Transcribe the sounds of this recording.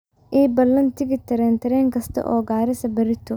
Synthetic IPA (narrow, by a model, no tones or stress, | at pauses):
ʔiːbɐlːɐnt̪ʰɪɣɪt̪ʰɐɾɛːnt̪ʰɐɾɛːŋkʰɐst̪ʰɐ̰ʔɔ̰ːɡaːɾɪsɐbɐɾɪt̪ʰʊ